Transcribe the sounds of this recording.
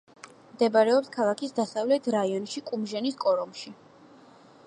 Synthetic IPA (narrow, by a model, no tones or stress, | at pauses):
md̪ɛbaɾɛɔpskʰalˠakʰisd̪asavlɛt̪ʰɾaiɔnʃikʼumʒɛniskʼɔɾɔmʃi